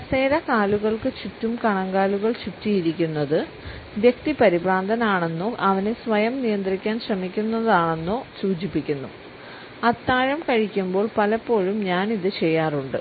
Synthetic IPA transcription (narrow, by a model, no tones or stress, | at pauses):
ɐseːɾɐkaːluɣɐɭkɨt͡ɕutːumkɐɳɐŋɡaːluɣɐɭt͡ɕutːijiɾikʲːunːɐðɨ | ʋjekt̪ipɐɾibraːnd̪ʱɐnaːɳe̞nːoʔɐʋɐnesʋɐjɐmnijɐnd̪rikʲːaːnɕrɐmikʲːunːɐðaːɳe̞nːoːsuːt͡ɕipːikʲːunːṵ | ɐt̪ːaːɻɐmkɐɻikʲːumbo̞ːɭpɐlɐpːo̞ːɻumɲaːniðɨt͡ɕe̞jːaːruɳɖɨ